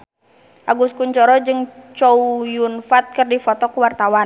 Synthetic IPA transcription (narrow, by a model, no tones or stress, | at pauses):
ʔaɡuskuɲt͡ʃɔɾɔd͡ʒɨŋt͡ʃɔujunfat̪̚kɨrdifɔt̪ɔkuwart̪awa